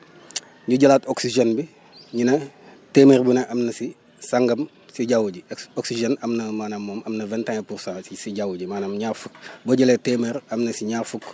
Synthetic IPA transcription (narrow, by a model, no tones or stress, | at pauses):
ɲuɟɐlaːtoksiʒenbi | ɲinɐ | temerbunɐʔɐmnɐsi | saŋɡɐm | siɟawuɟioksiʒenɐmnɐmanamːoːmɐmnɐvɛntaŋepuɾsãsisiɟawuɟimaːnamɲaːɾfuk̚boɟɐletemeɾɐmnɐsiɲaːrfuk